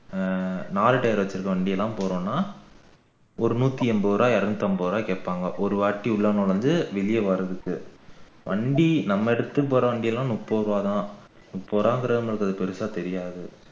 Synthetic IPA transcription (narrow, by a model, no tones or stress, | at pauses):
naːlɯʈːɐjɾʋɐt͡ʃːɪɾɯkːɐʋɐɳɖɪjɐlːãːpoːɾõːnːaː | ɔɾɯnuːt̪ːiɛmbɐʋɾaːɐɾɐnt̪ːɐmbɐːʋɾaːkeːʈpːaːŋɡɐʔɔɾɯʋaːʈːiʊɭːɐnɔɭɐndɯʋɪlɪjɐʋaːɾɐðɯkːɯ | ʋɐɳɖinɐmːɐɛɽɯt̪ːɯpːoːɾɐʋɐɳɖɪjɐlːãːnʊpːoːɾaːt̪ãː | nʊpːoːɾaːŋɡɐɾɐðɐmɐɭɯkːɐðɯpɛɾɯsaːt̪ɛɾɪjaːðɯ